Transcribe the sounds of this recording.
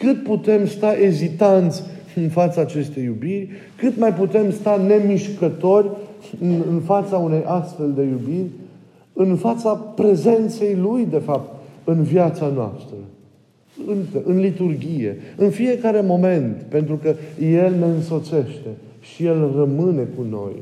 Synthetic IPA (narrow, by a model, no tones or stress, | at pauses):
kɨt̪̚put̪e̞mst̪aʔe̞zit̪ant̪sʲɨnfat̪saːt͡ʃe̞st̪e̞jːubirʲ | kɨt̪majput̪e̞mst̪ane̞miʃkət̪o̞rʲɨnɨnfat̪saune̞jʔast̪fe̞ld̪e̞jubirʲ | ɨnfat̪sapɾe̞ze̞nt̪se̞jlujd̪e̞fap̚t̪ɨnvjat̪sanoa̰st̪ɾə | ɨŋkəʔɨnlit̪urɡʲije̞̰ɨnfije̞kaɾe̞mo̞me̞nt̪pe̞nt̪ɾukəje̞lne̞ɨnso̞t̪se̞ʃt̪e | ʃije̞lrəmɨne̞kuno̞̰j